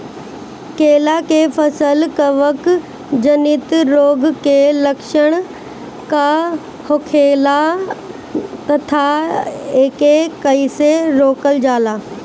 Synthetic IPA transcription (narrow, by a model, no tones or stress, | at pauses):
keːlakefɐsəlkɐʋək | d͡ʑɐnit̪ɾoːɡkelɐkʃəɽ̃ | ka | hokʰeːla | t̪ɐt̪ʰa | eːkekɐiseɾoːkəld͡ʒaːlaː